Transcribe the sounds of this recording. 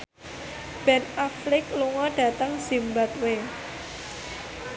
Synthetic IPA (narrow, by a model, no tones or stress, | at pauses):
b̥ɛnaflɪkluŋɔɖ̥ä̤t̪əŋsimbat̪̚we